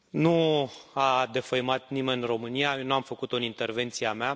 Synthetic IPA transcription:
nuad̪e̞fəjmat̪nimenro̞mɨnijanuamfəkut̪oɨnint̪e̞rve̞nt̪siamea

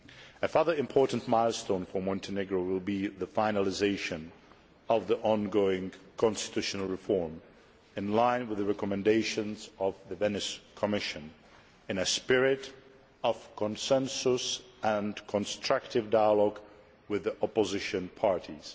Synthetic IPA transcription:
ɨfə˞ðə˞ɨ̃mpʰɔɹʔn̩ʔmaɪlˠstõʊ̃nfə˞mɔ̃ntʰɨnɪɡɹoʊwɪlˠbiðəfaɪ̃nəlˠɪzeɪʃɨ̃n | ʌvðiʔɔ̃nɡoʊɪ̃ŋkʰɑ̃nstɨ̥tʰʉʃnl̩ˠɹɨfɔɹm | ɨ̃nlãɪ̃nwɨðɨɹɛkɔmɨ̃ndeɪʃɨ̃nzʌvðɨvɛnɨskʰəmɪʃɨ̃n | ɨ̃nɨspɪɹɪɾ | ʌv̥kʰə̃nsɛ̃nsʊs | ə̃nkʰə̃nstɹ̥ʌk̚tɨvdaɪəlɔɡ | wɪðiʔɔpəzɪʃɨ̃npʰɑɹɾiz̥

